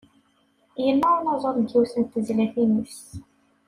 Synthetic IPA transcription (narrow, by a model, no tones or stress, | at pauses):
jənːænɑzˤɑɾˤɡ̪iwsənt̪ːəzlæθinəfs